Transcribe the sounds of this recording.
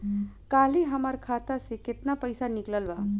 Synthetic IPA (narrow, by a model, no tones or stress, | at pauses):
kaːliɦəməɾkʰat̪aseket̪napəjsanikləlba